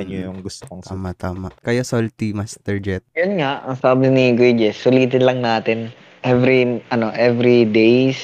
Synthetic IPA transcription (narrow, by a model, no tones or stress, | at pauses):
ɐɲojʊŋɡʊst̪ooŋt̪aːmat̪aːmakɐjosolt̪imɐst̪ɛɹd͡ʒɛt̪̚jʊnŋaʔɐŋsaːbɪniɡwid͡ʒɛsːʊliːt̪ɪnlɐŋnaːt̪ɪn | ʔɛvɾiʔɐnoʔɛvɾid̪ejs